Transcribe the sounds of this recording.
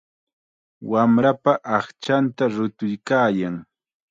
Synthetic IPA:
wamɾapaʔɑχt͡ʃant̪aɾʊt̪ʊjkaːjaŋ

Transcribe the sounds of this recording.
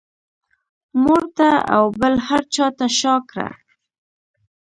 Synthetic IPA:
moɾt̪aa̰wbəlhaɾt͡ʃɑt̪aʃɑkɾa̰

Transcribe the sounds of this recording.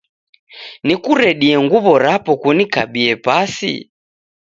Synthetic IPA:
nikuɾɛɗiɛŋɡuβɔɾapɔkunikaɓiɛpasḭ

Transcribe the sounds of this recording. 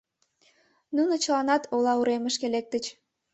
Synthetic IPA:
nunot͡ɕəlɑnɑt̪ʰolɑuɾeməʃkelek̚t̪ət͡ɕ

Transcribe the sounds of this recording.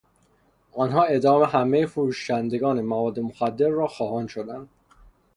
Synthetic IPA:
ɒnɦɒːe̞d̪ɒːme̞ɦæme̞jefoɾuːʃænd̪e̞ɡɒːnemævɒːd̪ːemoxæd̪ːe̞ɾːɒːxɒːhɒːnʃo̞d̪ænd̪̥

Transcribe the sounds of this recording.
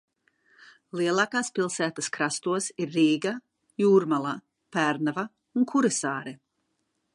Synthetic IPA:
liɛlˠaːkaːspilˠsæːt̪ɐskɾast̪uɔsiɾːiːɡa | juːɾmalˠa | pæɾnava | unkʰuɾɛsaːɾɛ

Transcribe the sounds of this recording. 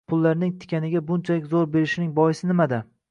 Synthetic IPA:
pʰʊlˠːaɾnɪŋt̪ʰɪ̥kʲanɪɡʲabʊnt͡ʃʰalɪkʲzoɾbe̞ɾɪʃnɪŋbɒjɪsɪnɪmad̪a

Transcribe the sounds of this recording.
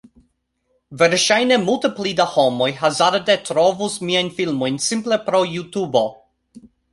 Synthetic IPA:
veɾʃajnemulteplidahomo̞jɦazaɾdetɾovusmiajnfilmo̞jnsimple̞pɾo̞jutubo̞

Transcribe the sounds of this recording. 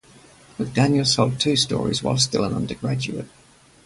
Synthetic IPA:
b̥ʌk̚d̥æ̃njəl̩ˠsʰoʊlˠd̚tʰʉstɔ̰ːɹḭzwa̰ɪlˠstɪlˠə̃nʌ̰̃ndəɡɹæd͡ʒʉ̰ə̰t̚

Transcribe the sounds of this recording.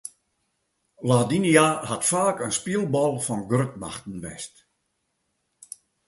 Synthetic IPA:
ladiniahatfaːkənspiəlˠbɔlˠfɔnɡrətma̰xtn̩ʋɛ̰st

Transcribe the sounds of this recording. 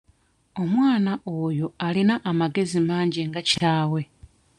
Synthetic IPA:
o̞mwaːnaʔoːjo̞alinaʔːmaɡe̞zimaːɲɟiŋɡacaːwe̞

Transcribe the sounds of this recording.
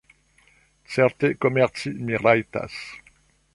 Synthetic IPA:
sɛʁt̪ekɔmɛʁsimiʁajt̪a̰s

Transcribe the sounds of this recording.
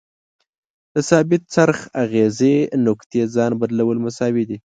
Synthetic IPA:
d̪̥əsɑbɪt̪̚t͡saɾxaɣezenokt̪ed͡zɑnbad̪lawəlmasɑwid̪i

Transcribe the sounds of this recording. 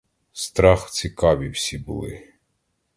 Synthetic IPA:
st̪ɾɑxt͡sʲikɑʋʲiwsʲibʊ̰lˠɪ̰

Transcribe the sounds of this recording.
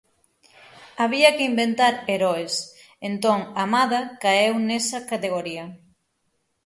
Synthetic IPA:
aβ̞iɐkɪimbent̪aɾeɾɔes | ent̪oŋamaðɐkaewnesɐkat̪eɣ̞oɾiɐ

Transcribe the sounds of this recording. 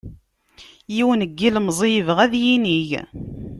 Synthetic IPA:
jiwənəɡːilmzˤijəvʁæðjiniʝ

